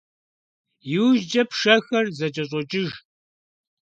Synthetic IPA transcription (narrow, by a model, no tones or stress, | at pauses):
jɪwʒd͡ʒɐpʂɐxɐrzɐt͡ʃʼɐɕʼɔt͡ʃʼɪʒ